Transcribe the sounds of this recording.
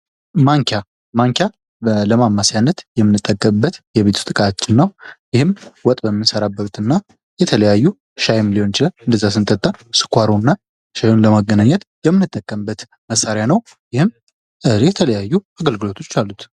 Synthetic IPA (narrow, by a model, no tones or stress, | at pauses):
maŋkʰa | maŋkʰja | ləmamːasajanːət̪jɛmːɨnːɨt̪ʼːəkʼːəmɨbːət̪jɛβe̞t̪ʰu̥t̪ʼɨkʼat͡ʃːɪnːəwjɪhɨmwɔt̪ʼbəmːɨnsəɾabːəut̪ɨnːa | jɛt̪ʰələjajːu | ʃajmilio̞nt͡ʃɪlənɨnd̪əzːas̬ɨnt̪ʼət̪ʼːansɨ̥kʰʷaɾonːa | ʃajonləmaɡːənaɲːɛt̪jɛmːɨnːɨt̪ʼːəkʼːəmbːət̪ | məsːaɾjanəw | jɪhɨm | ɨjɛt̪ʰələjajːuaɡəlɡɨlo̞t̪ʰo̞t͡ʃːalːut̪